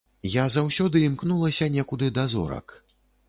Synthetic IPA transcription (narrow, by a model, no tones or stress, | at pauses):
jazawsʲɔd̪ɨimknulˠɐsʲɐnʲɛkud̪ɨd̪azɔ̰ɾɐ̰k